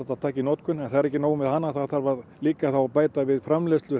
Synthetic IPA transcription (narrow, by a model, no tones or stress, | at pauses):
at̪ːaðt̪ʰaːcɪinɔːt̪kʏnɛnθaðɛɾɛhcːɪnoːwʏmvɪðhanːaθaɾθaɾvaðliːkaθawapaːjt̪avɪðfɾamlest̪lʏ